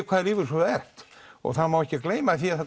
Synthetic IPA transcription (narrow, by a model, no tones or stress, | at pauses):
kʰvaːðɾɪːvʏɾsɔɛr̥t̪ɔ̰ɣθaðmawɛhcɪkleːjmaθiaðθa